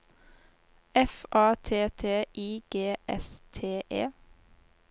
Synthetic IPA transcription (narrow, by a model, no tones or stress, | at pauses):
ɛfʔɑːt̪ʰeːt̪ʰeːʔiːɡ̥eːʔɛst̪ʰeːʔeː